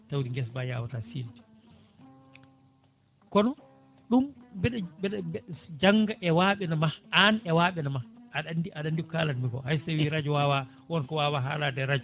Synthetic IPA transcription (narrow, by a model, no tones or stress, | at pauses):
tawɾiŋɡɛs̬bajaːwatasiːlti̥ | kɔnɔ | ɗumbɛɗbɛɗd͡ʒaŋɡaʔɛwaɓɛnamaanɛwaɓɛnamaʔaɗandiʔaɗandikaːlanmiɡɔ̰hajsawiɾad͡ʒɔwawa | wɔnkɔwaːwaɦaːladɛɾad͡ʒu